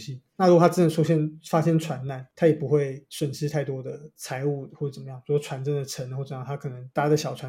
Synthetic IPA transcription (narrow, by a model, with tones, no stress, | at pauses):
ɕi˧˥na˥˩ɻu˧˥ɡt̪ʰa˥t͡s̩˥nə˧˦ʂʰu˥ɕjɛ˥˩nfa˥ɕjɛ˥nt͡sʰwa˧˥nna˨˩nt̪ʰa˥jɛ˨˩pu˧˦xwe˥˩ɪʂwə˨˩nʂ̩˥t̪ʰa˥˩ɪt̪wɔ˥d̪ə˨˩t͡sʰa˧˥ɪu˥˧xwɔ˥˩ə˨t͡sə˨˩mə˦jɑ˥˩ŋpu˧˩˥t͡sʰwa˧˥nt͡sə˥ŋd̪ə˨ʈ͡ʂʰə˧˥nxwə˨˩˦jɑ˥˨˧t̪ʰa˥kʰɤ˨˩nə˧˦ŋt̪a˥˩t͡ɕa˥d̪ə˩ɕjɑ˨˩t͡sʰwa˦